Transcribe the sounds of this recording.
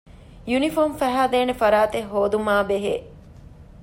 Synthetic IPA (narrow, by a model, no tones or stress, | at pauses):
junifoːmfæɦaːd̪eːnefɐɾaːt̪eɦoːd̪umaːbeɦḛː